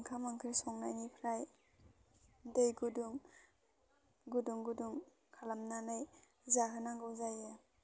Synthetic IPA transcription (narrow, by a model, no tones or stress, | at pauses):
ŋkʰamaŋkʰɯjsɔŋnajnipʰɾaj | dejɡuduŋ | ɡuduŋɡuduŋ | kʰalamnanaj | zaɦɯnaŋɡɯwzaja